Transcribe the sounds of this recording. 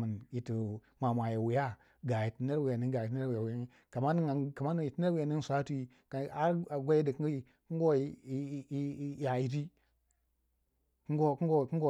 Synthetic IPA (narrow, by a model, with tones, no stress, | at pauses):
mə˨nji˨ti˨ | mʷa˨mʷa˨ja˨wi˨ja˦ | ɡa˨ji˨ti˨ne˦ɾwi˨ja˨ni˦ɡa˨ji˨t̬wja˨wji˦ | ka˨ma˦ni˦ŋ˨ka˨ma˦ni˦i˨ti˦ne˦ɾwi˨ja˦ni˦n˦sʷa˦tu˦i˨ | ka˨a˦a˨ɡʷa˦ji˦di˨ki˨ | ku˦ɡo˦˨˦ | ja˨i˨ti˦ | kɡo˦ku˦ɡo˦˨ku˦ŋ˦ɡo˦˨